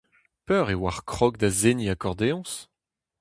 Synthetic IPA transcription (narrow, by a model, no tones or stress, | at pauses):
pœʁewaʁkχɔkd̪azeniakɔʁd̪eɑ̃s